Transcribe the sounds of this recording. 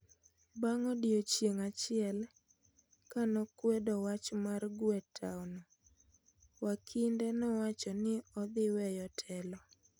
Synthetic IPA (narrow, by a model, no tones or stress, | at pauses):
baŋɔdjot͡ʃjeŋat͡ʃɪɛl | kanɔkwɛdɔwat͡ʃmarɡwɛtʰa̰wnɔ | wakʰindɛnɔwat͡ʃɔnɪɔd̪ɪwɛjɔtʰɛlɔ